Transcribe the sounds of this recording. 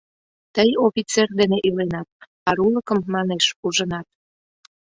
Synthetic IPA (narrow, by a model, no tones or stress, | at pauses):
t̪əjofʲit͡serd̪eneʔylenɑt̪̚ | ɑɾuləkəmːɑneʃuʒənɑt̪̚